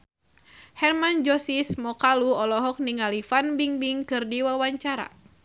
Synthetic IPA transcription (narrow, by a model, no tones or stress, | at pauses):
hɛrmand͡ʒɔsismɔkaluɔlɔɦɔk̚niŋalifanbiŋbiŋkɨrdiwawaɲt͡ʃaɾa̰